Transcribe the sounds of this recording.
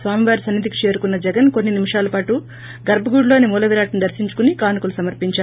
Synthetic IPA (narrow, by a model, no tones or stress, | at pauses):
sʋaːmiʋaːɾisɐnːid̪iki̥t͡ʃe̞ːɾukunːɐd͡ʒɛɡɐnkonːinimiʂaːlɐpaːʈu | ɡɐɾbɐɡuːɽlo̞ːnimuːlɐʋiɾaːʈɐnud̪ɐɾsiɲt͡ʃu̥kunikaːnukulusɐmɐɾpiɲt͡ʃaː